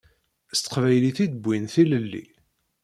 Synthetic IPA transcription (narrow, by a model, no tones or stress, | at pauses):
st̪ə̥qvæjliθid̪əbʷːinθiləlːḭ